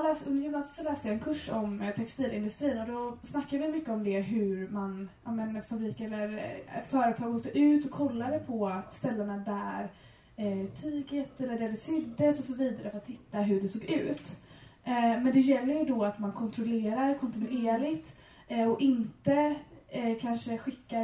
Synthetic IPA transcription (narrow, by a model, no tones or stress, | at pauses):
lɛːsɵnd̪əɾjɪmnɑːsɪ̥t̪sɔlɛːst̪əjaɛnkʰɵʂɔmt̪ʰɛkst̪iːlɪnd̪ɵst̪ɾiːnɔd̪ɔsnakːadvɪmʏkːəɔmd̪ɛɦɵɾmanʔamɛnfabɾiːkɛlːəɾfœːɾət̪ʰɑːɡoːt̪ːəʔʉ̟ːt̪ɔkʰːɔlːaɾɛpʰɔst̪ɛlːənad̪æɾ | t̪ʰyːɡət̪ɛlːəɖæɖɛsʏd̪ːəsɔsɔviːd̪aɾəfœɾat̪ʰːhɪt̪ːaɦɵɖɛsoːɡʉ̟ːt̪ | mɛnd̪ɛjɛlːəɾjɵd̪ɔat̪mankʰɔnt̪ʰɾɔleːɾaɾkʰɔnt̪ɪnʉʔeːlɪt̪ | ɔɪnt̪ə | kʰanʂəɧɪkːa